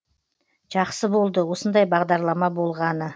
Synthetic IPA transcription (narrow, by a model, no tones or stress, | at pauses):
ʒ̥ɑqsəbo̞lˠd̪əwo̞sənd̪ɑjbɑʁd̪ɑɾlˠɑmɑbo̞lˠʁɑnə